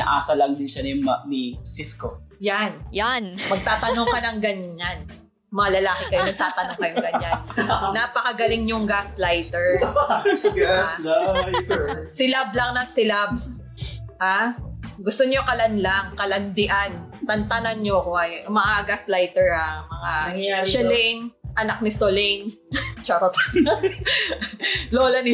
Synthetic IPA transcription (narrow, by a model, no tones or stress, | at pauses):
nɐ̰ʔa̰ːsɐlɐŋd̪ɪnʃanɪmnɪsɪskojanjanmɐɡ̚t̪aːt̪ɐnoŋkɐnɐŋɡɐɲan | mɐŋalɐlaːkɪkɐjonɐɡ̚t̪aːt̪ɐnoŋkɐjoŋɡɐɲɲannaːpɐkɐɡɐlɪŋɲoŋɡaslajt̪ɛɹ | a | sɪlab̚lɐŋnɐsɪlab̚ | haɡʊst̪oɲokɐlɐnlaŋkɐlɐnd̪ɪʔant̪ɐnt̪anɐnɲoɐkoʔɐjmɐʔaɡaslajt̪ɛɹamɐŋaʃɛlɛŋʔɐnak̚nɪsolɛn | t͡ʃaɾɐt̪ | loːlɐnɪ